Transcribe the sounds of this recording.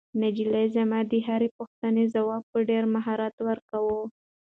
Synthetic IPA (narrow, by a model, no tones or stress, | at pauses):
nad͡ʒilazamad̪əɦaɾepuxt̪anezawɑb̚pəɖeɾmaɦɑɾat̪wəɾkawo